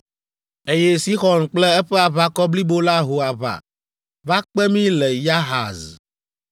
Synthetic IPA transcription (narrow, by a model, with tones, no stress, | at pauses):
e˦jɛ˦si˦xɔ˨nk͡plɛ˦ɛ˦ɸɛ˦a˨βa˦kɔ˦bli˦bo˦la˦ɦo˨a˨βa̰˨ | va˦k͡pɛ˦mĩ˦lɛ˨ja˦ɦa̰˨z